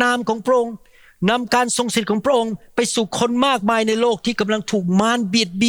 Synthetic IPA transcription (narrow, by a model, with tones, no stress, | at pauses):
naː˧mkʰɔː˩˦ŋpʰɾa˥ʔo˧ŋ | na˧mkaː˧nso˨˧ŋsi˨˩t̪̚kʰɔː˩˦ŋpʰɾa˧˥ʔo˧ŋpa˧jsuː˨˩kʰo˧nmaː˥˩k̚maː˧jna˧jloː˥˩k̚t̪ʰiː˥˩ka˧mla˧ŋt̪ʰuː˨˩k̚maː˧˥nbi˨˩ət̪̚bi˨˩